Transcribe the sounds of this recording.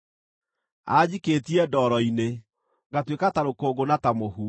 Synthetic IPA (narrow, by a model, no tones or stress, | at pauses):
aːd͡ʑiketiɛdɔːɾɔine | ŋɡatwekataɾokoːɡonatamohu